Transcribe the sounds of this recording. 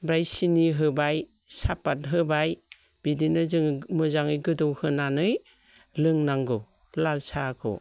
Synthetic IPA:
bɾajsiniɦɯbaj | sapat̚ɦɯbaj | b̥idinɯzɯŋmɯzaŋɯjɡɯdɔwhɯnanɯj | lɯŋnaŋɡɔ | lalsakʰɔ̰

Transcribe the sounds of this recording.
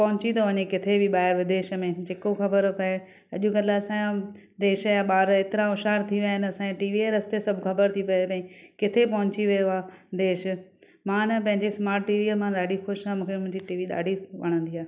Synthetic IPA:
pɐɦʊ̃t͡ɕĩd̪oʋɐɲekɪt̪ʰebɪɓaːɪɾʋɪd̪eːʃə̆mẽd͡ʑeːkoxɐbəɾpɐe | ɐʄũɡɐlaɐsãjã | d̪eːʃjaɓaːɾeːt̪ɪɾaʊʃaːɾt̪ʰiʋjaːɦɪnɐsãːeʈiːʋieɾɐst̪esɐbʱkɐbəɾt̪ʰipɐoɐ̃ĩkɪt̪ʰepɐɦʊ̃ɲt͡ɕiʋijoaːd̪eːʃ | mãːnɐpɐ̃ɦɪ̃ɲd͡ʑesmaːɾʈʈiːʋiəmãːɗaːɖʱixʊʃamũːkʰemʊ̃ɦɪ̃ɲd͡ʑiʈiːʋiɗa̰ːɖʱiʋɐ̰ɽ̃ə̃nd̪iaːɦe

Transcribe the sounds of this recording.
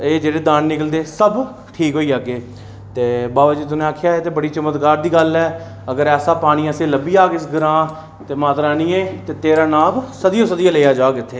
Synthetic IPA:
eːd͡ʒeːɽeːd̪aːnːɪkəld̪eːsəb | ʈʰiːkɦoːiːaɡeː | t̪eːbaːbaːd͡ʒiːt̪̬ʊnẽːaːkʰjaːeːt̪eːbəɽiːt͡ʃəmət̪kaːɾd̪iːɡəlɛː | əɡəɾɛːsaːpaːɽ̃iːəsẽːləbiːaːkɪsɡəɾãː | t̪eːmaːt̪ɾaːniːẽːt̪eːt̪eːɾãːnãːbsəd̪ijoːsəd̪ijãːleːjaːd͡ʒaːkɪt̪ʰːeː

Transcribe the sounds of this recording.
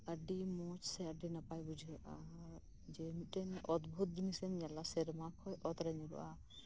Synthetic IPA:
əɖimɔt͡ʃsɛəɖinapajbud͡ʒʱiɾʔa | d͡ʒɛmiʈɛnɔd̪bʱut̪̚d̪inisɛnɲalasɛɾmakʰɔjʔɔt̪ɾaɲɾɔ̰ʔa

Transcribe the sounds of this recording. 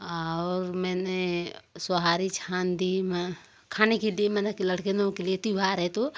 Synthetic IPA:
aɾmɛnesoɦaɾit͡ʃʰand̪ime | kʰaneked̪iemɛnakeləɽ̤kenõkeliet̪ibʱaɾɛt̪o

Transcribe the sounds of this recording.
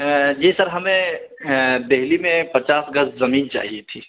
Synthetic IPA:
jisɐɾɦɐmẽ | d̪eɦlimẽpɐt͡ʃaːsɡɐszɐmiːnt͡ʃa̰ːɦiet̪ʰḭː

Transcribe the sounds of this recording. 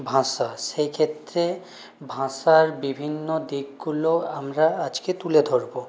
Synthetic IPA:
bʱãʃaʃekʰet̪ːɾe | bʱãʃaɾbibʱinːod̪iɡɡuloamɾaad͡ʑket̪uled̪ʱoɾbo

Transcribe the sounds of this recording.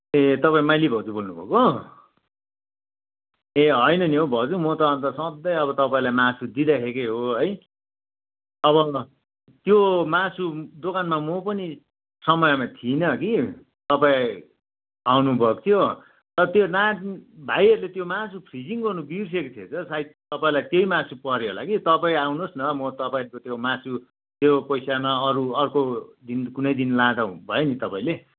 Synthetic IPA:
et̪ʌpãĩmajlibʱʌt͡subolnubʱʌ̰ko | eɦʌjnʌniɦobʱʌt͡sumʌt̪ʌʌnt̪ʌsʌd̪ʌjʌβʌt̪ʌpaĩlajmasud̪id̪akʰekeɦoɦʌj | ʌβʌ | t̪jomasud̪okanmamopʌni | sʌmʌjʌmat̪ʰinʌki | t̪ʌpaĩ | awnubʱʌkt̪ʰjo | t̪ʌɾʌt̪jonabʱajʌɾulet̪jomasʰupʰrid͡ziŋɡʌrnubirs̬ekot̪ʰet͡sʰʌsait̪ʌpaĩlajt̪jeimasupʌɾeɦola̰kit̪ʌpaĩawnusnʌmʌt̪ʌpaĩʌɾkot̪jomasu | t̪jopʌjsamaʌɾuʌrkod̪inkunʌjd̪inlad̪ãbʱʌenit̪ʌpãĩle

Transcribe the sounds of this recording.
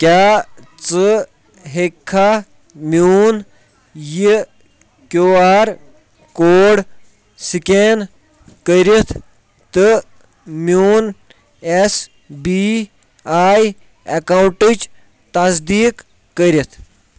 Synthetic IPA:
kʲaːt͡sɨ | ɦekʰːa | mjuːn | ji | kʲjoːaːɾ | koːɽ | siken | kəɾit̪ʰ | t̪ɨ | mjuːn | es | bi | aːj | ɐkawuɳʈid͡ʒ | t̪ɐzd̪iːkː | əɾʲit̪ʰ

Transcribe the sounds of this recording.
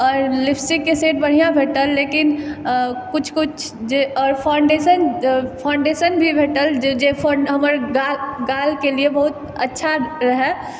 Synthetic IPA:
ɔːɾlɪpʰsikːeseːʈ̚bəɽ̤ijãbʱeːʈəlːekin | kʊt͡ʃʰkʊt͡ʃʰ | d͡ʒeɔːɾpʰaʊɳɖesənpʰaːʊ̃ɳɖesənbʱibʱeːʈəld͡ʒd͡ʒepʰɦəməɾɡalɡalkeliebəɦut̪ | ətːʃʰaɾəɦɛ

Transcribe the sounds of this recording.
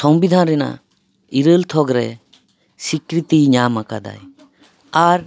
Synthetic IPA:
sɔmbid̪ʱanɾɛna̰ | iɾəlt̪ʰɔɡɾɛ | sikɾit̪iɲamaka̰d̪a̰j | aɾ

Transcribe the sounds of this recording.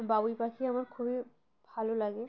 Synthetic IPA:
babuipakʰiamaɾkʰubi | bʱalolaɡe

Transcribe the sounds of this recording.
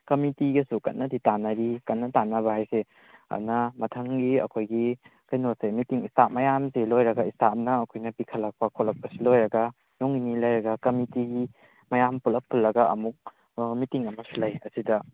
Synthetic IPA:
kɐmitiɡɐsukɐ̰tnːɐditanɐɾikɐnːɐtanːɐβɐhajse | ɐ̰nɐmɐtʰɐŋɡiɐ̰kʰojɡikɐjnosemitiŋistamɐjamzelojɾɐɡɐistap̚nɐːkʰojnɐpikʰɐlːɐk̚pɐkʰolɐk̚pɐsilojɾɐɡɐ | noŋinilɐjɾɐɡɐkɐmitiɡi | mɐjampulɐp̚pʰulːɐɡɐɐ̰muk̚ | mitiŋɐmɐsulɐjɐsidɐ

